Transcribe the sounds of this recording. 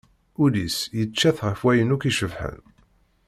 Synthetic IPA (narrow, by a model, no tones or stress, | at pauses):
ulisjət͡ʃːæθʁəfwæjənukiʃəvħə̰n